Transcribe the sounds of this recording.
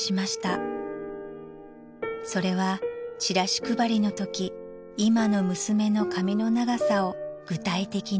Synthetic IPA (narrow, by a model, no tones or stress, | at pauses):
ɕimaɕi̥t̪a | so̞ɾe̞β̞at͡ɕiɾaɕi̥kɯ̟baɾʲino̞t̪o̞kʲiː | mano̞mɯ̟sɨme̞no̞kamʲino̞naɡasao̞ɡ̥ɯ̟t̪ait̪e̞kʲi